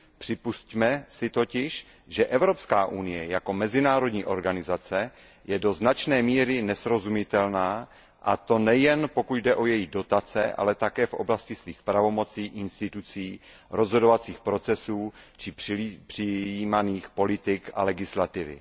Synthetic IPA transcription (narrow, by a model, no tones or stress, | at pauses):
pr̝̥ɪpuscmɛsɪt̪o̞cɪʃ | ʒɛʔɛvɾo̞pskaːʔunɪjɛjako̞mɛzɪnaːɾo̞dɲiːʔo̞ɾɡanɪzat͡sɛ | jɛdo̞znat͡ʃnɛːmiːɾɪnɛsɾo̞zumɪt̪ɛlnaː | ʔa̰t̪o̞nɛjɛnpo̞kut̪dɛʔo̞jɛjido̞t̪at͡sɛ̰ʔa̰lɛt̪akɛːfʔo̞̰blascɪsviːxpɾavo̞mo̞t͡siːʔɪnst̪ɪt̪ut͡siː | ɾo̞zɦo̞do̞vat͡siːxpɾo̞t͡sɛsuːt͡ʃɪpr̥ɪiːmaniːxpo̞lɪt̪ɪkʔa̰lɛɡɪslat̪ɪvɪ̰